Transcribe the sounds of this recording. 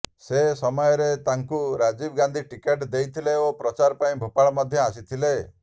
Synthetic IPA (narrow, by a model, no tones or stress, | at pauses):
sesɔmɔjɔɾet̪aŋkuɾad͡ʒibɡand̪ʱiʈikeʈd̪ejt̪ʰileopɾɔt͡ʃaɾɔpaĩbʱopaɭmɔd̪ʱjɔasit̪ʰile